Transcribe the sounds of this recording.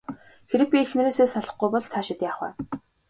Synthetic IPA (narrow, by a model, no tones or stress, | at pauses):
xeɾɘ̆k̚pʲiːxmĕɾeːseːsaɮə̆χɡujpɔɮt͡sʰaːʃɪ̆t̪jaːχwæ̰ː